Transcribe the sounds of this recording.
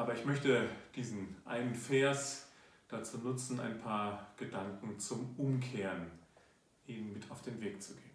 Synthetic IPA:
ʔaːbɐɪçmœçtəd̥iːzn̩ʔa̰ɪnənfɛɐsd̥at͡suːnʊt͡sn̩ʔa̰ɪnpʰaːɐɡ̥ədaŋkŋ̩t͡sʊmʊmkʰeːʁən | ʔiːnənmɪtʰaʊfd̥eːnveːk̚t͡suɡeːən

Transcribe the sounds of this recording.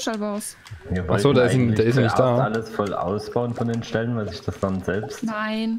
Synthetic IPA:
ʃalbaʊs | viːɐvɔaχlzoːndaːɪssd̥aːɐʔɪstjanɪçt̚d̥aːaləsfɔlʔa̰ʊsb̥aʊənfɔndeːnʃtɛlənvaɪlzɪçd̥asz̥amtz̥ɛlpstnaɪn

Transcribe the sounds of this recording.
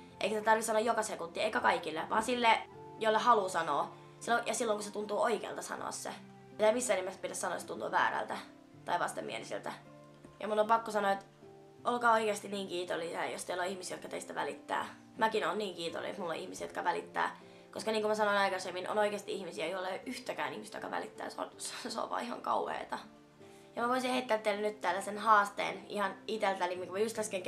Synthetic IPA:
ʔḛikæst̪æt̪ɑrʋisɑnoɑjokɑsekunt̪ːieikækɑikilːeʋɑ̰ːnsilːe | joilːehɑlusɑnoː | silːojɑsilːoŋkuset̪unt̪uːoikḛːlt̪ɑsɑ̰no̰ɑ̰sːḛ | mit̪æmisːæenemːæspitæsɑno̰ːt̪set̪unt̪ṵːʋæ̰ːɾæ̰lt̪æ | t̪ɑiʋɑst̪emḭḛlisḛlt̪æ | jɑ̰mulːompɑkːosɑnoet̪ | ʔolkɑːoikeːst̪iniːŋkiːt̪olːˑisiɑ̰jo̰st̪eiloihmisijot̪kɑt̪ḛist̪æʋælit̪ːæ̰ː | mækinonniːŋkiːt̪o̰lːḛḛt̪mulːo̰ʔḭhmisiːjot̪kɑʋælit̪ːæ̰ː | koskɑniːŋkumæsɑnoinɑikɑsemːino̰noikeːst̪iihmisiæjoilːɑoʔyht̪ækæːnḭhmist̪jo̰kɑ̰ʋæ̰lḭt̪ːæ̰ːso̰nsso̰ːʋɑ̰ːihɑ̰ŋkɑ̰uhḛːt̪ɑ | jɑmæʋoisiheit̪ːelːt̪ːeilːænyt̪t̪æːlːæsenhɑːst̪ḛːnḭhɑnit̪elt̪ælimːiŋkumæjust̪æskeŋ

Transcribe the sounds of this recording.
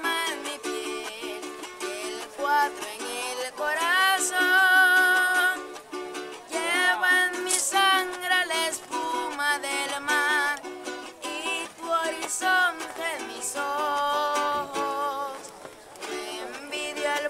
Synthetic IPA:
manmipje | elkwaðɾoeŋelkoɾaso | ŋ | jeβaŋmisaŋɡɾalaespumaðelmaɾit̪uoɾisont̪emiso | xos | lembiðjoel

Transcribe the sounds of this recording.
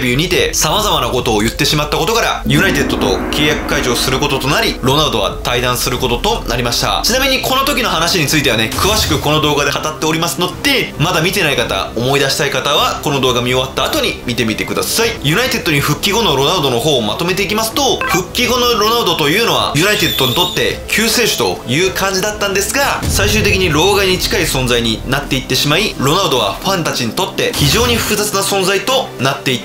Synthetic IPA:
bʲɯːɲ̟it̪esamazamanako̞t̪o̞ːjɯ̟t̪ːe̞ɕimat̪ːako̞t̪o̞kaɾa̰jɯ̟nait̪e̞d̪ːo̞t̪o̞̰kʰe̞ːjakɯ̟̥kaid͡ʑo̞ːsɨɾɯ̟ko̞t̪o̞t̪o̞naɾʲiɾo̞naɾɯ̟d̪o̞βa̰t̪aid̪ãɰ̃sɨɾɯ̟ko̞t̪o̞t̪o̞naɾʲimaɕi̥t̪a̰t͡ɕinamʲiɲ̟iko̞no̞t̪o̞kʲino̞ɦanaɕiɲ̟it͡sɨit̪e̞ane̞kɯ̟βaɕi̥kɯ̟ko̞no̞d̪o̞ːɡad̪ekat̪at̪ːe̞o̞ɾʲimasɨno̞d̪̥e̞mad̪amʲit̪e̞naikat̪a̰o̞mo̞id̪aɕi̥t̪aikat̪aβako̞nod̪o̞ːɡamʲio̞βat̪ːaːt̪o̞ɲ̟imʲit̪e̞mʲit̪e̞kɯ̟d̪a̰saijɯ̟nait̪e̞d̪ːo̞ɲ̟iɸɯ̟kʲːiɡo̞no̞ɾo̞naɯ̟d̪o̞no̞ɦo̞ːma̰t̪o̞me̞t̪e̞ikʲimasɨ̥t̪o̞ɸɯ̟kʲːiɡo̞no̞ɾo̞naɯd̪o̞t̪o̞jɯ̟ːno̞βa̰jɯ̟nait̪e̞d̪ːo̞ɲ̟it̪o̞t̪ːe̞̰kʲʰɨːse̞ːɕɨ̥t̪o̞̰jɯ̟ːkʰãɲ̟d͡ʑid̪at̪ːãnd̪e̞sɨɡasaiɕɨːt̪e̞kʲiɲ̟iɾo̞ːɡaiɲ̟it͡ɕi̥kaisõ̞nzaiɲ̟inat̪ːe̞it̪ːe̞ɕimaiɾo̞naɯ̟d̪o̞βa̰ɸãnt̪at͡ɕiɲ̟it̪o̞t̪ːe̞çiʑo̞ːɲ̟iɸɯ̟̥kɯ̟zat͡sɨnasõ̞nzait̪o̞nat̪ːe̞it̪

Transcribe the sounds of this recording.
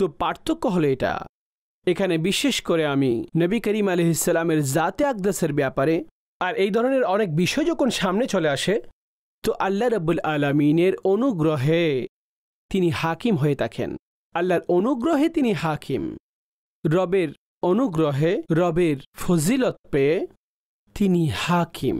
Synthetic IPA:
t̪opaɾt̪ʰokːoɦoloeʈa̰ | ekʰanebiʃːeʃkoɾeaminəbikəɾimaleɦisːɐlameɾzat̪eak̚d̪aseɾbɛpaɾe | aɾejd̪ʱɔɾoneɾɔnek̚biʃod͡ʑoɡonʃamnet͡ɕoleaʃe | t̪oʔɐlːaɾɐbːolaːlamineɾonuɡɾoɦe | t̪inihakimɦoet̪ʰakʰḛn | ɐlːaɾonuɡɾoɦet̪iniɦaːkʰim | ɾɔbeɾ | onuɡɾoɦeɾɔbeɾfozilot̪pee | t̪inihakʰḭm

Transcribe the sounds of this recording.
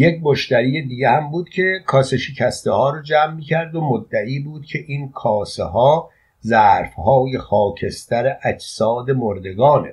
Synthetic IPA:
jec̚moʃt̪æɾiːjed̪iːɡehæmbuːd̪̥̚cʲʰe̞kʰɒːseʃecʰæst̪ehɒːɾɔːd͡ʒæːmːiːcʰæɾd̪o̞mod̪ːæʔiːbuːd̪̥̚cʰe̞ʔiːnkʰɒːseɦɒː | zæːɾfhɒːjexɒːcʰe̞st̪æɾeʔæd͡ʒsɒːd̪e̞moɾd̪e̞ɡɒːne

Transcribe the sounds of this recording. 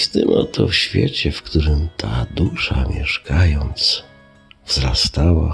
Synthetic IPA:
t̪ɛmɔt̪ʰɔfɕfʲjɛt͡ɕɛfkt̪uɾɘmt̪ʰad̪uʂamʲjɛʂkʰajɔnt̪s | vzɾast̪awa

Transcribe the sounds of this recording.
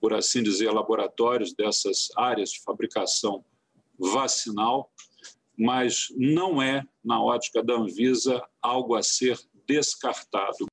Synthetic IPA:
poɾa̰sĩd͡ʒizeɾlaboɾat̪ɔɾjʊzd̪ɛsɐzaɾiɐzd͡ʒɪfabɾikasɐ̃w̃ | vasinaw | mɐznɐ̃w̃ɛnɐɔt͡ʃi̥kɐd̪ɐɐ̃vizɐawɡʊɐseɾ | d̪eskaɾt̪a̰d̪ʊ

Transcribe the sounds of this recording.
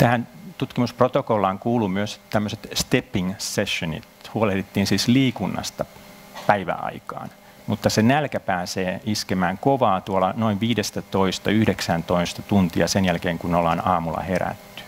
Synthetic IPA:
t̪æhænt̪ut̪kimusprot̪okolːɑːŋkuːlumyøst̪æmːøset̪st̪epːiŋseʃːonḭt̪huoleht̪et̪ːiːnsiːsliːkunːɑ̰st̪ɑ | pæiʋæ̰ɑ̰ikɑ̰ːn | mut̪ːɑsenælkæpæːseːiskemæːŋkoʋɑːt̪uolɑnoiʋʋiːdest̪æt̪oist̪ɑyhdeksænt̪oist̪ɑt̪unt̪iɑsenjælkeːŋkunnolːɑːnɑːmulːˑɑ̰heɾæ̰t̪ːy̥

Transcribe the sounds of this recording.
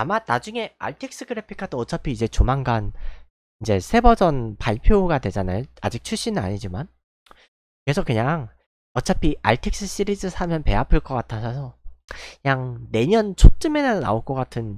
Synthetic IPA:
amanad͡ʑuŋe̞a̰ɭtʰek̚s͈ɯɡɯɾepʰi̥kʰadoʌt͡ɕʰapʰiːd͡ʑe̞t͡ɕomanɡan | ind͡ʑe̞sʰe̞bʌd͡ʑʌnpaɭpʰjoɡadwe̞d͡ʑanajoa̰d͡ʑik̚t͡ɕʰuɭɕ͈inɯna̰ɲid͡ʑiman | ke̞sʰʌkɯɲaŋ | ʌt͡ɕʰapʰiʔaɭtʰek̚s͈ɯɕ͈iɾid͡ʑɯsʰamjʌnpe̞apʰɯɭk͈ʌk͈atʰasʰʌsʰʌɲaŋne̞ɲʌnt͡ɕʰot͡ɕ͈ɯme̞nɯnna̰oɭk͈ʌk͈atʰɯn

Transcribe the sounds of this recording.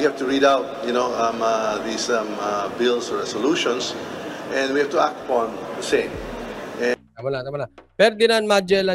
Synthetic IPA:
ihɛvt̪uɹidaʊt̪̚jʊnoʊmʌðisʌmbɪlˠsɔɹɛsɔluʃɔ̃nsʔɛ̃ndwihɛv̥t̪uak̚t̪ɐpɔ̃nðəsẽɪ̃mɛ̃t̪amalat̪amalafɛɾd̪ɪnãnmad͡ʒɛla

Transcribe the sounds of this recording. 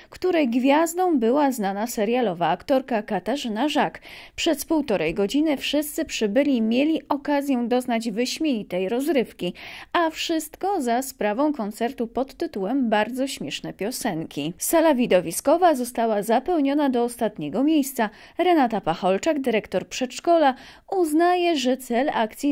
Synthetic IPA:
kt̪uɾɛjɡvʲjazd̪ɔ̃w̃bɘwaznanasɛɾjalɔvaːkt̪ɔɾkakat̪aʐɘnaʐakpʂɛspuwt̪ɔɾɛjɡɔd͡ʑinɘfʂɘst̪sɘpʂɘbɘlʲimʲjelʲiʔɔkazʲjɛd̪ɔznad͡ʑvɘɕmʲjɛɲʲit̪ɛjɾɔzɾɘfkʲiafʂɘst̪kɔzaspɾavɔ̃w̃kɔnt̪sɛɾt̪upɔt̪ːɘt̪uwɛmbaɾd̪zɔɕmʲjɛʂnɛpʲjɔsɛŋkʲisalavʲid̪ɔvʲiskɔvazɔst̪awazapɛwɲɔnad̪ɔːst̪at̪ɲɛɡɔmʲjejst̪sa | ɾɛnat̪apaxɔlt͡ʂaɡd̪ɘɾɛkt̪ɔɾpʂɛt̪ʂkɔla | uznajɛʐɛt̪sɛlakt̪sʲji

